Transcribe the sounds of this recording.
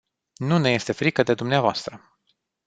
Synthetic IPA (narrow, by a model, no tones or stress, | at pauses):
nune̞je̞st̪e̞fɾikəd̪e̞d̪umneavoast̪ɾə